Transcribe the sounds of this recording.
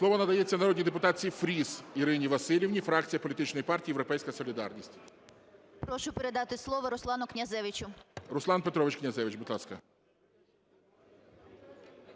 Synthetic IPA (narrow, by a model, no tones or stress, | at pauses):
slˠɔʋɔnɐd̪ɐjet͡sʲːɐnɐɾɔdʲnʲid̪epʊt̪ɑt͡sʲifɾʲisiɾɪnʲiʋɐsɪlʲiʋnʲifɾɑk̚t͡sʲijɐpɔlʲit̪ɪt͡ʃnɔjipɑrtʲijːjewɾɔpɛjsʲkɐsɔlʲid̪ɑ̰rnʲisʲtʲ | pɾɔʃʊpeɾed̪ɑt̪ɪslˠɔʋɔɾʊslˠɑnʊknʲɐzɛʋɪt͡ʃʊɾʊslˠɑnpet̪ɾɔʋɪt͡ʃknʲɐzɛʋɪt͡ʃbʊd̪lˠɑskɐ